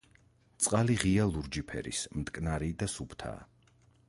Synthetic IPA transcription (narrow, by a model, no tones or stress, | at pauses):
t̪sʼqʼaliʁialˠuɾd͡ʒipʰɛ̰ɾḭsmd̪ʼkʼnaɾid̪asupʰt̪ʰa̰ː